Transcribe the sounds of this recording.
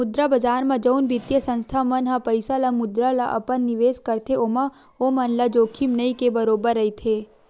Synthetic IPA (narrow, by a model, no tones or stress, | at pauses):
ʊd̪ɾabɐd͡ʒaːɾmãd͡ʒɐunbɪt̪jəsə̃nst̪ʰamɐnɦapɐɪsalamʊd̪ɾala̰ʔɐ̰pənːɪʋeːskɐɾt̪ʰeoːmã | omɐnlad͡ʒoːkʰimnəikebɐɾoːbəɾːɐit̪ʰeː